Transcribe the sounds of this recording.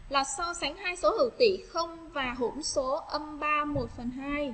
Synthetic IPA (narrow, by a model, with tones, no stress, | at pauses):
laː˨˩sɔ˧sa˨˦ŋhaː˧jso˨˦hɨ̰˧˩˨wt̪ḭ˧˨xə˧wŋ͡m | vaː˨˩ɦṵ˧˩˥nso˨˦ʔə˧mɓaː˧mo˨˩t̚fə˨˩nɦaː˧j